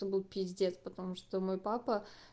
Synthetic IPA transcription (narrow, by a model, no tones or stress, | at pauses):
obɨlˠpʲitʲzʲdʲet̪spət̪ɐmuʂt̪omo̞jpapə